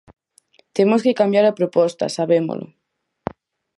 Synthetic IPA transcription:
t̪emoskekambjaɾapɾopɔst̪ɐ̰saβemo̰lʔo̰

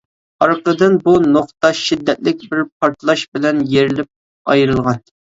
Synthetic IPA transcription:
ɑɾqəd̪ɨnbunoχt̪ɑʃid̪ːɛt̪̚lɪk̚ʲbɪɾp̚ʰɑɾt̪ʰlˠɑʃbɪlɛnjeɾɪlɪp̚ | ɑjɾɨlˠʁɑn

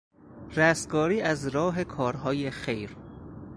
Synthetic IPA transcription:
ɾæs̚ɡɒːɾiːʔæzɾɒːɦe̞kʰɒːɾɦɒːjexejɾ

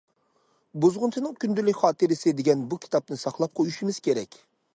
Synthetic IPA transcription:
buzʁʊnt͡ʃʰɨnɨŋkʲynd̪ylːɪkʲχɑːt̪ɨɾɪsɪd̪eɡʲɛnbukʲʰi̥t̪ʰɑp̚nɨsɑχlˠɑp̚qʰojyʃimɪz̥kʲeɾɛkʲ

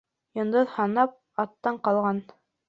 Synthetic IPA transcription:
jŏnd̪ɤðhɑnɑp̚ | ɑt̪ːɑɴqɑlˠʁɑn

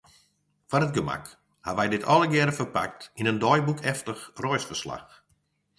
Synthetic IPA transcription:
fanət̚ɡəma̰k | haʋɛjdɪtʰɔləɡɛɾəfərpa̰k̚tinəndɔjbukʰɛftəxrɔjsfərsla̰x

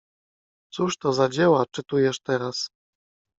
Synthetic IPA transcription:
t̪suʂt̪ɔzad͡ʑɛwat͡ʂɘt̪ujɛʂt̪ɛɾas

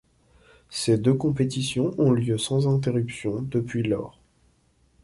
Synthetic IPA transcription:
sed̪økɔ̃pet̪isjɔ̃ʔɔ̃ljøsɑ̃zɛ̃t̪̬eʁypsjɔ̃d̪əpɥilɔ̰ːʁ

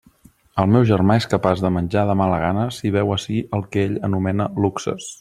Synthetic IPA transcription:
əlˠmɛwʒərmaeskəpazðəmənʲd͡ʒaðəmaləɣanəsiβ̞ɛwəsiəlˠkɛeʎənumɛnəluksə̰s

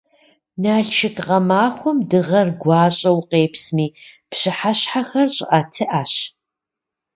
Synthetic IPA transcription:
naːɬt͡ʃʰɪkʼqɐmaːxʷʊmdɨʁɐrɡʷɑːɕʼɐwqeːpsmiːpɕɨħaɕħaxɐrɕʼɪʔaːtʰɨʔaːɕ

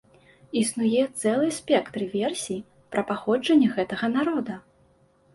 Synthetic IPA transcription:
isnujɛt̪sɛlˠɨjsʲpʲɛkt̪ɾɨvʲɛrsʲi | pɾʔɐpaxɔd͡ʐɐnʲːɛɣɛt̪ɐɣɐnaɾɔd̪ɐ

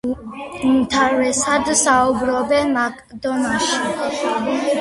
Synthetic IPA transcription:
umt̪ʰaɾɛsad̪saubɾɔbɛnmakʼd̪ɔnaʃi

